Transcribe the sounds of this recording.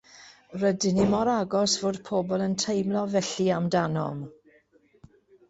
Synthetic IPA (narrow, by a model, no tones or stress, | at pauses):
rədɪnimɔɾaɡɔsvoːd̥pʰɔːbɔlˠəntʰejmlˠɔvɛɬiamdanɔ̰m